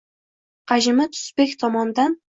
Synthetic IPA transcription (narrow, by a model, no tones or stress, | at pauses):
qʰɑʒɪmɪt̪ʰʊ̥sbekʲt̪ʰɒmɒnd̪an